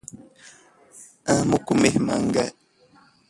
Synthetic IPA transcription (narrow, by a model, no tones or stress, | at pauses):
ãmukumehma̰ŋɡa